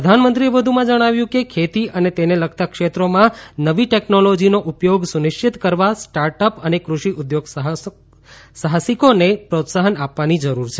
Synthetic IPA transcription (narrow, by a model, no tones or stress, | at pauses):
ɾəd̪ʱanmənt̪ɾiebəd̪ʱumãd͡ʒəɽ̃aʋjũkekʰet̪iʔənet̪eneləkʰt̪akʃet̪ɾomãnəʋiʈɛknolod͡ʒinoʔupjoɡsunɪʃt͡ʃɪt̪kəɾʋasʈaɾʈəpənekɾuʃiʔʊd̪joɡɦ | saɦasikonepɾot̪saɦənapʋanid͡ʒəɾuɾt͡ʃʰe